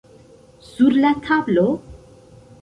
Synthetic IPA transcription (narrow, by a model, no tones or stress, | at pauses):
z̥uɾlat̪ʰablo